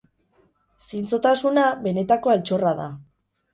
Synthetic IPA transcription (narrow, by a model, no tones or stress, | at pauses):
sint͡so̞t̪asunaβe̞ne̞t̪ako̞elt͡ʃo̞raða̰